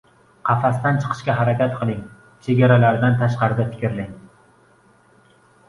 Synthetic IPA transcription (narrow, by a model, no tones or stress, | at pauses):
qʰɑfast̪ant͡ʃʰɨ̥qʰɨ̥ʃkʲaɦaɾakʲat̪qʰɨlˠɪŋ | t͡ʃʰeɡʲaɾalaɾd̪ant̪ʰaʃqɑɾɪd̪afɪ̥kʲɾlɪŋ